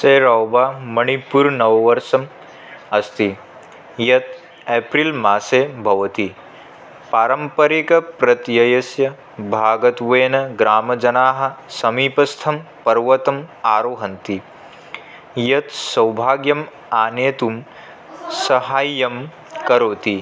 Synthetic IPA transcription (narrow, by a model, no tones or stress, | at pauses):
seːɾɐwbaːmɐɳ̃ipuɾnɐʋɐʋɐɾʃɐm | ɐst̪i | jɐt̪ | eːpɾilmaːseːbʱɐʋɐt̪i | paːɾɐmpɐɾikɐpɾɐt̪jɐjɐsjɐ | bʱaːɡɐt̪ʋeːnɐɡɾaːmɐd͡ʒɐnaːɦɐ̆sɐmiːpɐst̪ʰɐm | pɐɾʋɐt̪ɐmaːɾoːɦɐnt̪i | jɐt̪sɐwbʱaːɡjɐm | aːneːt̪um | sɐɦaːjːɐm | kɐɾoːt̪i